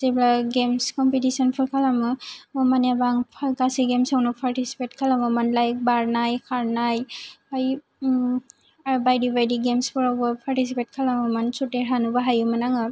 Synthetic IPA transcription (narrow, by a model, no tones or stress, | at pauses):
seblaɡemskɔmpitisɔnpʰɔɾkʰalamɯɔmanjabaŋpʰakasiɡemsawnupʰaɾtisi̥petkʰalamamanlajk̚baɾnajkʰaɾnajaj | bajdibajdiɡemspʰɯɾawbɐpʰaɾtisipet̚kʰalamamansutːeɦanubaɦajumanaŋɯ